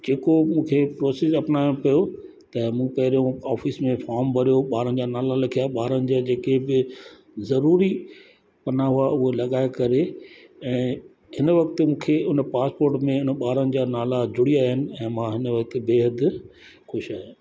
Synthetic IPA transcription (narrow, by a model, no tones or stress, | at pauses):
d͡ʑeːkomũːkʰepɾoːsɪsɐpnaːjõpijo | t̪ɐmũːpɐɦɪɾijõaːfiːsmẽfɔːɾmbʱɐɾijoɓaːɾənɪ̆d͡ʑaːnaːlalɐkʰijaɓaːɾənɪ̆d͡ʑad͡ʑeːkebɪ | zɐɾuːɾi | pɐnaɦʊaʊɦolɐɠaːekɐɾeɛ̃ː | ɦɪnʋɐkt̪mũːkʰeʊnpaːspoːɾʈmẽʊnəɓaːɾənɪ̆d͡ʑaːnaːlad͡ʑʊɽijaːɦɪnɪ̆ɛ̃ːmãɦɪnʋɐk̚t̪beːɦəd̪xʊʃaːɦe